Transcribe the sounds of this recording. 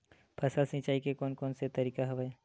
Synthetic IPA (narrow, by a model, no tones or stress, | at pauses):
pʰɐsəlsɪ̃t͡ʃaːikekɔːnkɔːnset̪ɐɾiːkaɦɐʋəe